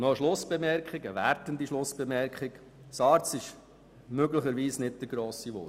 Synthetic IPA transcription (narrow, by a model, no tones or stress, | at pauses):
nɔəʃlʊsb̥ɛmɛɾkχɪɡəʋæ̰ɾtənd̪iʃlʊsb̥ɛmɛɾkχɪk | sɑːɾtt͡sɪʃ | møɡləχəɾʋiːsnɪtd̥̪əɾɡɾoːsiʋʊ̰